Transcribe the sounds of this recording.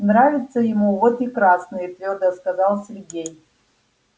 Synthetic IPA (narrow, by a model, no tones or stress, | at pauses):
nravʲɪt̪sʰəjɪmuvot̪ikɾasnɨjɛt̪vʲord̪ɐskazalˠsʲerɡʲe̞j